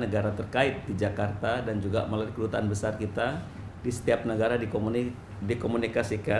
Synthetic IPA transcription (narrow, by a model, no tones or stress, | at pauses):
nəɡaɾat̪ərkaɪt̪̚did͡ʒakart̪adand͡ʒuɡaməlaɾikədut̪aanbəsarkit̪a | disə̥t̪iap̚nəɡaɾadi | dikomunikasika